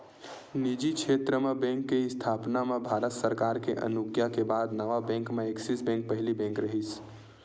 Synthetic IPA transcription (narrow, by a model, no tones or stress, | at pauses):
nid͡ʒikʰet̪ɾəmebɛ̃ŋkːeɪst̪ʰaːpnamẽbʱaːɾət̪səɾkaːɾkeʔə̰nuɡjakebaːd̪nəʋabɛ̃ŋkmeeksisbɛ̃ŋk̚pəɦɪlibɛ̃ŋkɾəɦis